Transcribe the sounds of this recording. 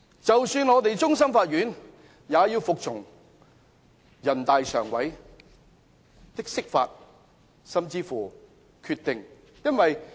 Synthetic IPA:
t͡sɐ˨wsyː˧nŋɔː˨˧t̪e˨jt͡sʊ˥ŋs̬ɐ˥mfaː˧t̚ɥyː˨˥n | jaː˨˧jiː˧wfʊ˨k̚t͡sʰʊ˨˩ŋ | jɐ˨˩nt̪aː˨jsœ̰ː˨˩ŋwɐ˨˥j | t̪ɪ˥k̚sɪ˥k̚fa̰ː˧t̚ | sɐ˨˧mt͡siː˧fuː˨˩ | kʰyː˧t̪ɪ˨ŋ | jɐ˥nwɐ˨j

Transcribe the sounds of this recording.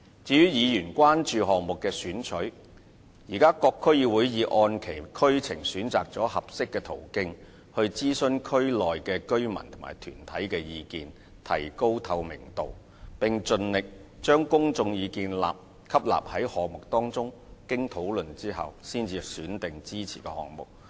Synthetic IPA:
t͡siː˨˧jyː˥jiː˨˧jyː˨˩nkʷaː˥nt͡ʃyː˨˧ɦɔː˨k̚mʊ˨kːɛː˧syː˨˥nt͡ʃʰɵ˨˥ɥ | jiː˨˩kaː˥kɔː˧kʰːɵ˥ɥjiː˧wuː˨˥jjiː˨˧ʔɔː˧nkʰe˨˩jkʰɵ˥ɥt͡sʰɪ˨˩ŋsyː˨˥nt͡saː˨k̚t͡sɔː˨˥hɐ˨p̚sɪ˥kːɛː˧t̪ʰo˨˩wkɪ˥ŋ | hɵ˧ɥt͡siː˥sɵ˧nkʰɵ˥ɥlɔː˨jkɛː˧kɵ˥ɥmɐ̰˨˩nt̪ʰʊ˨˩ŋma̰ː˨˩jt̪ʰyː˨˩nt̪ʰɐ˨˥jkɛː˧jiː˧kiː˨n | t̪ʰɐ̰˨˩jko˥wt̪ʰɐ˧wmɪ˨˩ŋt̪o̰˨w | pɪ˨ŋt͡ʃɵ˧nlɪ˨k̚t͡ʃœː˥ŋkʊ˥ŋt͡sʊ˧ŋjiː˨˧kiː˧nla̰ː˨p̚ | kʰɐ˥p̚la̰ː˨p̚hɐ˨˥jhɔː˨k̚mʊ˨k̚t̪ɔː˥ŋt͡sʊ˥ŋ | kɪ˥ŋt̪ʰo˨˥wlɵ˨nt͡siː˥ɦɐ̰˨wsiː˥nt͡siː˧syː˨˥nt̪ɪ˨ŋt͡siː˥t͡sʰiː˨˩kɛ̰ː˧hɔ̰ː˨ŋ̚mʊ̰˨k̚

